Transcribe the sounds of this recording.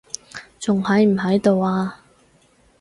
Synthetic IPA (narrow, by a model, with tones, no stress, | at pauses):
t͡sʊ˨ŋhɐ˨˧jm̩˨˩ɦɐ˨˥jt̪o˨˧waː˧